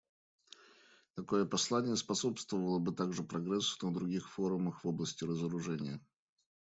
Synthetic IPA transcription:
t̪ɐko̞jəpɐslˠanʲɪjəspɐso̞pst̪vəvəlˠəbɨt̪aɡʐɨpɾɐɡɾɛsnəd̪ɾʊɡʲixfo̞ɾʊməxv̥o̞blˠəsʲtʲɪɾəzəɾʊʐɛnʲɪjə

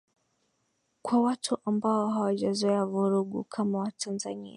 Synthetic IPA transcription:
kʰwawatʰuʔambaɔɦawaʄazɔɛavuɾuɠṵkʰamawatʰanzanḭa

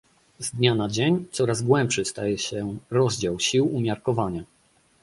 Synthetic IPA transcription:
zd̪ɲanad͡ʑeɲt̪sɔɾazɡwɛmpʂɘst̪ajɛɕɛɾɔzd͡ʑawɕiwumʲjaɾkɔvaɲa

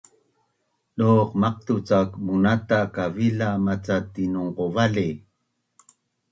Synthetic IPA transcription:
noqmaq̚t̪ut͡sakmunat̪akavilamat͡sat̪inuŋqovali

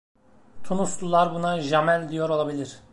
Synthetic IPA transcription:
t̪ʰunuslˠulˠaɾbunaʒamælʲd̪ijo̞ɾo̞lˠabilʲiɾ̥

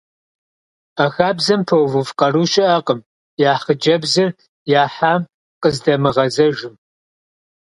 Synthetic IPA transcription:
ɐxaːbzɐmpʰɐwvɨvqɐruʃʼɪʔɐqʼəm | jaːχəd͡ʒɐbzɨr | jaːħaːm | qʼəzdɐmɨʁɐzɐʒɪm

